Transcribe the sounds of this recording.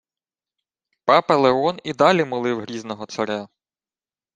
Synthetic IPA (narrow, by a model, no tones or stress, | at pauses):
pɑpɛlˠeɔnid̪ɑlʲimʊlˠɪwɦɾʲiznɔɦɔt̪sɐɾɛ